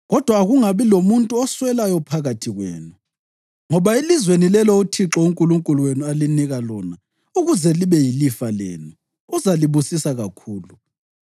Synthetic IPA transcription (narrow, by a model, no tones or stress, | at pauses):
ɣɔd̥ʱwaːɣuŋaβilomuntʼuɔswɛlajɔpʰaɣatʰiɣwḛːnu | ŋɔβaelizwenilɛlɔutʰiǁɔuŋkʼuluŋkʼuluwenualiniɣalɔna | uɣuzɛliβɛjilifalɛ̰ːnu | uzaliβusisaɣakʰuːlu